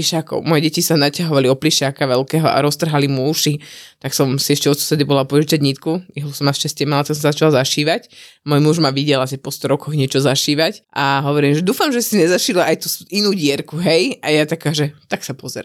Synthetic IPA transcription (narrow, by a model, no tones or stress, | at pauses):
iʃaːkɔ̰ʊmɔjɛɟɛcisanacaɦɔʋaliɔpliʃaːkaʋɛlkɛːɦɔʔa̰ɾɔst̪r̩ɦalimuːʃit̪aksɔmsiɛʃcɛɔsu̥sɛd̪ibɔlapɔʒit͡ʃad̪ɲiːt̪kuiɦlusɔmaʃcascɪɛmalat̪aksɔmsazat͡ʃalazaʃiːʋacmɔjmuʒmaʋiɟɛlasipɔst̪ɔɾɔkɔɣɲɪɛt͡ʃɔzaʃiːʋacʔaɦɔʋɔɾiːmʒɛd̪uːfamʒɛsiɲɛzaʃilaʔajt̪usinuːɟɪɛɾkuɦɛjajat̪akaːʒɛt̪aksapɔzɛɾa̰m